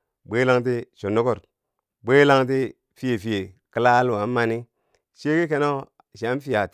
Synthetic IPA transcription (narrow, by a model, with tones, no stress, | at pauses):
bʷe˦la˦ŋt̬i˦ʃo˨nːo˦ko˦˨ɾ | bʷe˦la˦ŋt̬i˦ | fi˦je˨fi˨˦je˨ki˦la˦lu˨wa˨˦ma˦ni˦ | ʃe˦ki˦ke˦no˦ | ʃi˨a˦n˦fi˦ja˨t